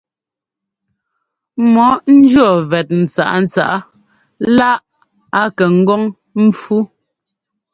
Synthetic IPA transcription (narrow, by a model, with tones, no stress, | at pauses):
mɔ˨˦n̩˦d͡ʒɥɰɔ˦˨vɛ˨t̚n̩˨t͡sa̰˨ʔa˦n̩˨t͡sa̰˦˨ʔa˦ | la˦ʔ | a˦kɛ˨ŋ̩˦ɡɔ˦ŋ | m̩˦fu˦